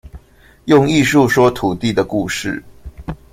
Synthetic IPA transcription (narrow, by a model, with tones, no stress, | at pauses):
jʊ˥˧ŋi˥˧ʂu˥˨ʂwɔ˥t̪ʰu˨˩t̪i˥˩d̪ə˩ku˥˨˧ʂɻ̩˥˩